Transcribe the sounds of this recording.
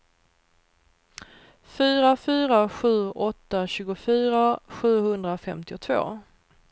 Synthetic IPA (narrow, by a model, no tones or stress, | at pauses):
fyːɾafyːɾaɧʉ̟ːʔɔt̪ːaɕʉːɡʊfyːɾaɧʉ̟ːhɵnd̪ɾafɛmt̪ɪʊt̪ʰvo̰ː